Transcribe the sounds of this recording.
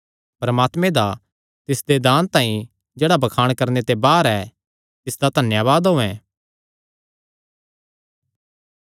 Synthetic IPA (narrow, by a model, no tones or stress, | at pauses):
pɾɐmaːt̪mẽd̪a | t̪ɪsd̪ed̪aːnt̪ãːĩ | d͡ʒeːɽabɐkʰaːɽ̃kɐɾnet̪ebaːɾɛ | t̪ɪsd̪at̪ɐnjaːʋaːd̪ɦʊɛ̃ː